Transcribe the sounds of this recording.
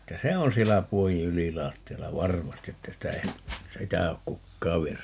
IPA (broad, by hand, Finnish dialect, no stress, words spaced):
etːæ se on sielːæ puojĩː ylilɑːtːiɑlːɑ ʋɑrmɑsti etːæ sitæ ei sitæ ok kukːɑːʋ ʋienys